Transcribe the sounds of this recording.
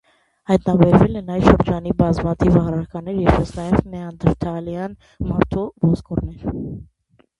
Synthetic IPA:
hɑjt̪nɑbɛɾvɛlɛnɑjʃəɾd͡ʒɑnibɑzmɑt̪ʰivɑʁɾɑɾkɑnɛɾjɛɾpɛsnɑjɛvmɛɑnd̪əɾt̪ʰɑljɑn | mɑɾt̪ʰɔvɔzkɔɾnɛɾ

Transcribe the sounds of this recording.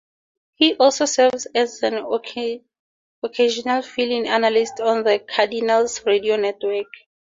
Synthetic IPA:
hiʔɔlsosɛvzɛzɛ̃n | ɔkʰeʃɔnalfilĩŋanalistʰɔ̃nðəkʰadinalsɹedionɛtʰwɛk

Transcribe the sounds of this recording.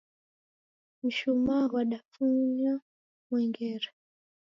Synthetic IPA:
m̩ʃumawaɗafuɲa | mwɛŋɡɛɾa

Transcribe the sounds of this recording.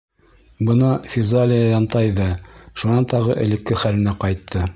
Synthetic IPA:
bɤnɑfʲizalʲɪjɑjɑnt̪ɑjðɑʃunɑnt̪ɑʁɤʔɘ̆lɘ̆kːɘχælɘ̆næqɑjt̪ʰːɤ

